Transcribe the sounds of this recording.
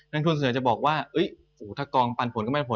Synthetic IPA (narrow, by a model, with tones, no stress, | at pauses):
na˧ŋt̪ʰu˧ns̬nɯ˩˦t͡ɕa˨˩bɔː˨˩k̚waː˥˩ʔɤ˦˥j | ʔuː˩˦t̪ʰaː˥˩kɔː˧ŋpa˧npʰo˩˦nkːɔ˥˩˧pʰ